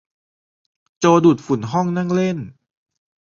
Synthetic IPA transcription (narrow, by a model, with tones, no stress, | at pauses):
t͡ɕoː˧duː˨˩t̪̚fu˨˩˦nɦɔ˥˩ŋna˥˩˨ŋle˥˩n